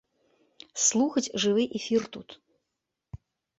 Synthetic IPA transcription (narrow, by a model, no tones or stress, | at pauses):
slˠuxɐt͡sʲʐɨvɨʔɛfʲirt̪ut̪